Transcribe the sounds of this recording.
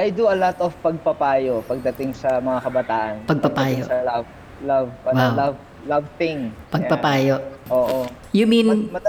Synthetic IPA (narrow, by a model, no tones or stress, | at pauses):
ʔajd̪uɐlot̪ɔfpɐɡ̚pɐpaːjopɐɡ̚d̪ɐt̪ɪŋsɐmɐŋakɐbɐt̪aːʔɐnpɐɡ̚pɐpaːjosɐlav | lavɐwawlav | lavθɪŋpɐɡpɐpaːjoʔʔoːʔo | jʊminɐ